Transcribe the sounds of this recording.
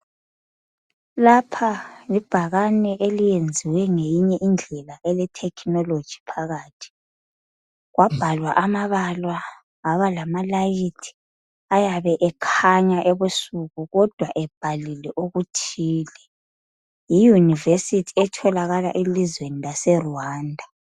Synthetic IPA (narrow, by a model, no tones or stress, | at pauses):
lapʰalib̥ʱaɣanɛʔelijend͡zʱiwɛŋejiɲɛʔind͡ɮʱɛlaʔɛlɛtʰɛkʰnɔlod̥ʒ̥ʱi̥pʰaɣaːtʰi̥ | ɣwab̥ʱalwaʔamaβalwa | aβalamalajitʰi̥ | ajaβɛʔɛkʰaɲaʔeβusuɣuɣɔd̥ʱwaʔɛb̥ʱalilɛʔoɣutʰiːlɛ | jijunivesitʰiɛtʰɔlaɣala̰ʔilizwenilasɛruwaːndʱa